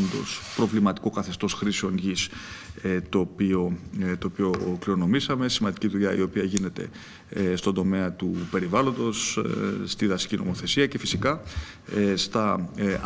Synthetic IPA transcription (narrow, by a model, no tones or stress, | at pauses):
nd̪o̞̰spɾo̞vlimɐt̪i̥kokɐθe̞st̪o̞sxɾisio̞nʝiset̪o̞ːpio̞t̪oːpio̞kliɾo̞no̞misɐme̞simɐnd̪iciðuʎɐḭo̞piɐʝine̞t̪e̞̰ | st̪ond̪o̞me̞ɐt̪upe̞ɾivɐlo̞nd̪o̞sst̪iðɐsi̥cino̞̰mo̞θe̞siɐce̞fisikɐ | st̪ɐ